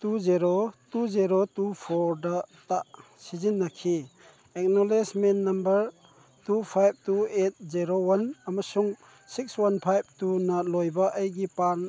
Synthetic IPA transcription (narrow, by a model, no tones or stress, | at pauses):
tuziɾotuziɾotupʰoɾdɐtaʔ | sizinːɐkʰi | ek̚nolesmenːɐmbɐɾ | tupʰajb̚tuet̚ziɾowɐnɐmɐsuŋ | sik̚swɐnpʰajb̚tunɐlojbɐʔɐjɡipan